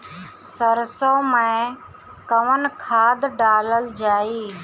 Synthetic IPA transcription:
səɾsõːmẽː | kəʋənkʰaːd̪ɖaːləld͡ʒaːiː

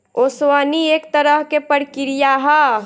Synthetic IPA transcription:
oswaːniekt̪əɾəɦkepəɽkiɾijaɦɛ

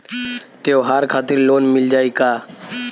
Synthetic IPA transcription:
t̪eoɦaːɾkʰaːt̪ɪɾloːnmɪld͡ʒaːikaː

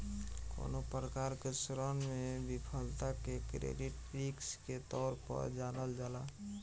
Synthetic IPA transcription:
ko̰nopɾəkaɾkesɾɔnmebipʰəlt̪akekɾḛɖiʈpɾiksket̪ɔːɾpə̰ɾd͡ʒanəld͡ʒaːla

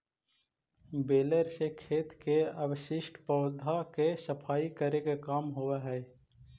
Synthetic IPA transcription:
beːləɾsekʰeːt̪keəbəʃɪʃʈpɔːd̪ʱakesəpʰaːikəɾekekaːmɦowaɦɛː

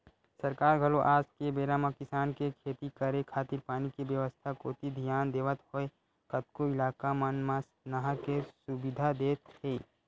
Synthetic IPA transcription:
sɐɾkaːɾɡʱəloʔaːd͡ʒkebeːɾaːmakɪsaːnkekʰeːt̪ikəɾekʰaːt̪ɪɾpaːnikibjəʋəst̪ʰakoːt̪id̪ʱijaːnd̪eːʋət̪hoe | kət̪̚koɪlaːkamənmas | naɦakesʊbɪd̪ʱad̪eːt̪eː

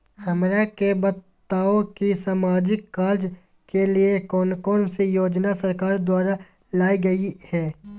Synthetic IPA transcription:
hɐmɾakebɐtt̪ːaːokisaːmaːd͡ʒɪkːaːɾd͡ʒ | keliekɔːnkɔːnsijoːd͡ʒnasɐɾkaːɾd̪waːɾa | laːiɡɐihɛː

